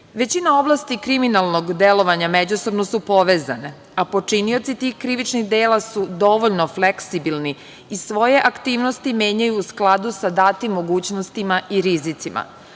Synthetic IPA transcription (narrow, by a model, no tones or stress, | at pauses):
ʋe̞t͡ɕinao̞blast̪ikɾiminalˠno̞ɡd̪elˠo̞ʋaɲamed͡ʑuso̞bnosupo̞ʋeːza̰ne̞ | apo̞t͡ʂinio̞t̪sit̪iːxkɾiʋit͡ʃnixd̪eːlasud̪o̞ʋoʎno̞fleksibilni | isʋo̞je̞ʔakt̪iːʋnost̪imeːɲajuːsklˠad̪usad̪at̪imːoɡuːt͡ɕnost̪imaʔiɾizit̪sima̰